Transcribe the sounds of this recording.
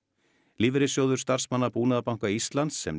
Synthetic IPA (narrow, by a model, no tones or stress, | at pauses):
liːvɪɾɪsjoːwðʏɾ̥st̪ar̥smanːapuːnaðapaw̃ŋkaist̪lant̪sːɛ̰m